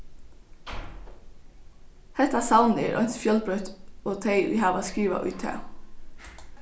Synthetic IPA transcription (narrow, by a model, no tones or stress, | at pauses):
hɛht̪asawnɛɾʔɔ̰jnsfjœlpɾœht̪oːt̪ʰeɪʊ̰jɦaːʋaskɾiːʋa̰ʔʊ̰jt̪ʰɑ̰ː